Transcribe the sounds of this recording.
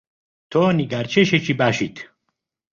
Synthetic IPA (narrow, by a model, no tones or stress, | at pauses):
t̪ʰoːniɡaɾt͡ʃʰeʃet͡ʃʰibæʃit̪ʰ